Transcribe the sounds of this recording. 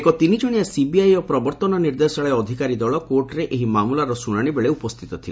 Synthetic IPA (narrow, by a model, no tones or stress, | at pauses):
ekɔt̪inid͡ʒɔɽ̃ijasibiajɔpɾɔbɔɾt̪ɔnɔniɾd̪esɔɭeɔd̪ʱikaɾid̪ɔɭɔkoɾʈɾeʔeɦimamulaɾɔsunaɽ̃ibeɭeupɔst̪ʰit̪ɔt̪ʰile